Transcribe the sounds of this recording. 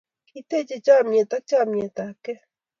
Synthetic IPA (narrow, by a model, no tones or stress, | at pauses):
kit̪et͡ʃet͡ʃamet̪ak̚t͡ʃamet̪ake